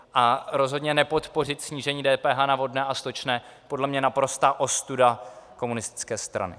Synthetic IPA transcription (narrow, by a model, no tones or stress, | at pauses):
ʔaɾo̞zɦodɲɛnɛpo̞t̪po̞r̝ɪt̪sɲiːʒɛɲiːdɛːpɛːɦanavo̞dnɛːʔast̪ot͡ʃnɛːpo̞dlɛmɲɛnapɾo̞st̪aːʔo̞st̪udako̞munɪst̪ɪ̥t͡skɛːst̪ɾa̰nɪ̰